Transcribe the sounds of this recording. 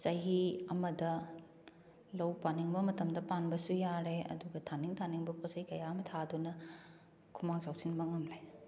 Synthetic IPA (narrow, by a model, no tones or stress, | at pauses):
sɐjɦiɐmɐdɐ | lɐwpaniŋbɐmɐtɐmdɐpanbɐsujaɾeɐ̰duɡɐtʰaniŋtʰaniŋbɐpʰosɐjkɐjaɐmɐtʰadunɐ | kʰumaŋsawsinmɐŋɐmlaj